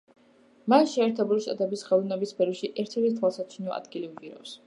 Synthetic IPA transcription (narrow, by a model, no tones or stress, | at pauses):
masʃɛːɾt̪ʰɛbuliʃt̪ʼa̰t̪ʼɛbisχɛlˠnɛbispʰɛɾɔʃiʔɛɾt̪ʰɛɾt̪ʰt̪ʰwalˠsat͡ʃʰinɔʔa̰d̪ɡiliuviɾa̰fs